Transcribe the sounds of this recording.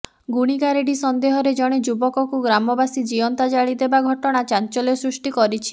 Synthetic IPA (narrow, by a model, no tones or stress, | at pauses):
ɡuɽ̃iɡaɾeɖisɔnd̪eɦɔɾed͡ʒɔɽ̃ed͡ʒubɔkɔkuɡɾamɔbasid͡ʒiɔnt̪ad͡ʒaɭid̪ebaɡʱɔʈɔɽ̃at͡ʃant͡ʃɔlɔsɾusʈikɔɾit͡ʃʰi̥